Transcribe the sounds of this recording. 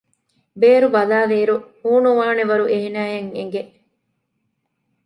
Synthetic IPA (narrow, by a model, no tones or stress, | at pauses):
beːɾubɐlaːʋeːɾuhuːnuʋaːneʋɐɾuʔeɦenæːjɐŋḛŋɡe